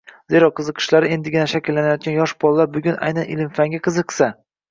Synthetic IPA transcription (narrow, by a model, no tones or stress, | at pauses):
ze̞ɾɒqʰːɨzɨqʰɨ̥ʃlaɾɪe̞nd̪ɪɡʲɪnaʃakʲʰɪlːanajɒt̪̚kʲanjɒʃbɒlˠlaɾbʊɡʲʊnʔa̰jnanɪ̰lɪmfaŋɡʲaqʰɨzɨqsa